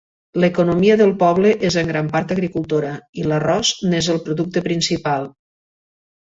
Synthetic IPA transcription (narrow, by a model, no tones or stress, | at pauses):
ləkunomiəðəlˠpɔβ̞ləʔezəŋɡɾampaɾt̪əɣɾikulˠt̪oɾəilərɔznezəlˠpɾuðuk̚t̪əpɾinsipalˠ